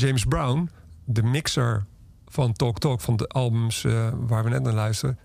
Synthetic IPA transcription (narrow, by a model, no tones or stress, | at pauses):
d͡ʒejmsbrawn | dəmɪksəɹ | fɑntɔktɔkfɑndəʔɑlˠbəmsʋaːɹʋənɛtnaːɹlœɥstərə